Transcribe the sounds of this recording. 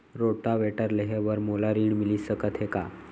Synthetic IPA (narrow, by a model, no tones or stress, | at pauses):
ɾoʈ̪aʋeʈəɾleɦeʋəɾmolaɾiːɳmiliːsəkət̪ɦeka̰